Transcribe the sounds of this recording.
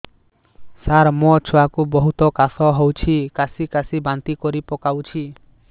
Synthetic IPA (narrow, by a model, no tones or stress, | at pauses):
saɾmɔt͡ʃʰɔwakubɔɦut̪ɔkasɔɦɔwt͡ʃʰikasikasibant̪ikɔɾipɔkawt͡ʃʰi